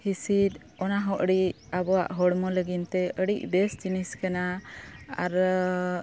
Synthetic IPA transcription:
hisid̪ | ɔnaɦɔʔɽiʔ | abɔwa̰ʔɦɔɽmɔləɡint̪ɛəɽic̚bɛst͡ʃiniskana | aɾ

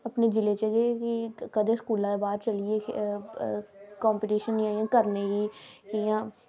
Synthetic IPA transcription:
əpned͡ʒɪleːt͡ʃeɡekikəd̪eːskuːlãːebaːd̪t͡ʃəlie | kɔːmpiʈiːʃənːĩaːjãːkəɾneɡiːkijãː

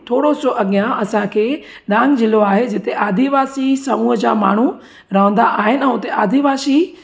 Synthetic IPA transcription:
t̪ʰoːɽosoʔɐɠijãɐsãkʰeː | ɗãːŋɡd͡ʑɪloaːɦed͡ʑɪt̪eʔaːd̪ʱiʋaːsisɐmuːɦəd͡ʑa̰ːma̰ːɳ̤u | ɾɐɦə̃nd̪aʔaːɦɪnɪ̆ɛ̃ːʊt̪eʔaːd̪ʱiʋaːsi

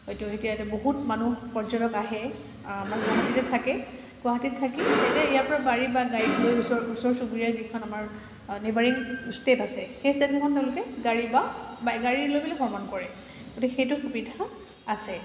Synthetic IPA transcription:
hojtuetijatɛboɦutmanupɔɹd͡ʒɔɾɔkaɦɛ | amanɡwaɦatitɛtʰakɛ | ɡwaɦatittʰakietɛijapɔɹabaɹibaɡaɹilojsɔusɔɹsubɹijazikʰɔnamaɹ | nebaɹiŋstetasɛxestetɛkʰɔnteʊ̃lʊkɛɡaɹibabaɡaɹiɹlojblixɔɹmankɔɹɛ | ɡotikxejtʊxubidʱaː | sɛ

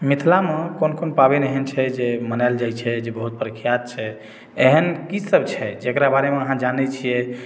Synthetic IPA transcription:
mit̪ʰlamekonkonpabenɛɦənt͡ʃʰɛd͡ʒemənald͡ʒajt͡ʃʰɛd͡ʒebəɦut̪̚pəɾəkʰijat̪̚t͡ʃʰɛ | eɦənkisəbt͡ʃʰɛd͡ʒekɾabaɾemeəɦãd͡ʒanɛt͡ʃʰijɛ

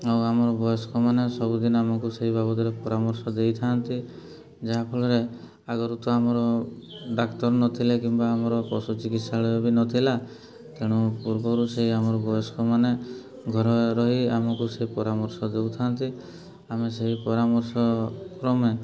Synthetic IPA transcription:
awamɔɾɔbɔjɔskɔmanesɔbud̪inɔamɔkuseɦibabɔt̪iɾepɔɾamɔɾsɔd̪ejt̪ʰant̪i | d͡ʒaɦapʰɔɭɔɾe | aɡɔɾut̪ɔamɔɾɔɖakt̪ɔɾnɔt̪ʰilekimbaːmɔɾɔpɔsut͡ʃikit̪saɭɔjɔbinɔt̪ʰila | t̪eɽ̃upuɾbɔɾuseɦiamɔɾɔbɔjɔskʰɔmane | ɡʱɔɾɔɾɔɦiamɔkuseɦipɔɾamɔɾsɔd̪ewt̪ʰant̪i | ameseɦipɔɾamɔɾsɔkɾɔme

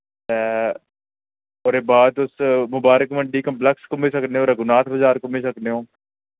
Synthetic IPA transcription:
t̪ɛː | oːɾeːbaːd̪ʊsmʊbaːɾəkməɳɖiːkəmplɛkskʊmeːsəkneːɦõːɾəɡʊnaːt̪ʰbəzaːɾkʊmeːsəkneːɦõː

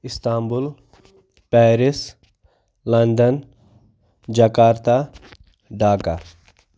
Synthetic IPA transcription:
ist̪aːmbul | pɛːɾis | lɐnd̪ɐn | d͡ʒɐkaːɾt̪a | ɖaːka

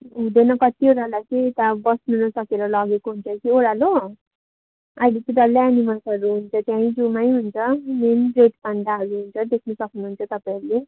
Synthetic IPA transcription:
ɦũd̪enʌkʌt̪ioɽalajt͡sʌjet̪abʌsnunʌsʌkeɾʌlʌɡekoɦunt͡sʰʌkioɾalo | ajlit̪idʌlːeanimasʌɾuɦunt͡sʰʌt̪jãĩd͡zumajɦunt͡sʰʌmenbreʈbʌnd̪aɦʌɾuɦunt͡sʰʌd̪ekʰnʌsʌknuɦunt͡sʰʌt̪ʌpaiɾule

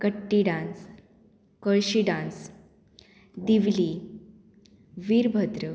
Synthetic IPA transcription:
kəʈːiɖãns | kəɭɕiɖãns | d̪iʋli | ʋiːɾbʱəd̪ɾə

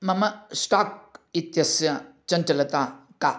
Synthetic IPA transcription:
mɐmɐsʈak̚it̪jɐsjɐt͡ʃɐnt͡ʃɐlɐt̪aka

